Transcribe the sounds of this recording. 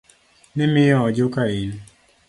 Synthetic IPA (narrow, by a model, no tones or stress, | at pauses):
nɪmɪjɔd͡ʒokain